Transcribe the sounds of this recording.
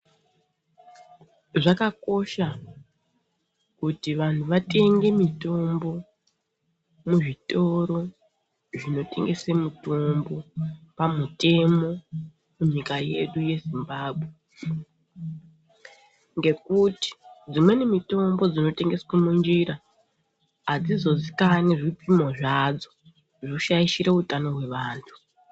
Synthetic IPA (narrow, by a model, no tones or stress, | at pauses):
ʐakako̞ʃa | kutiʋan̤uʋate̞ŋɡe̞mito̞mbo̞ | muʐito̞ɾo̞ | ʐino̞te̞̰ŋɡe̞semuto̞mbo̞pamute̞mo̞ | muɲikaje̞ɗuje̞zimbaːbʱwe̞ | ŋɡe̞kuti̥d͡zimwe̞nemito̞mbo̞d͡zino̞te̞ŋɡe̞swemund͡ʒiɾa | ad͡zizo̞zikaniʐipimo̞ʐad͡zo̥ | ʐoʃaiʃiɾeutano̞ɦwe̞ʋaːntʰu̥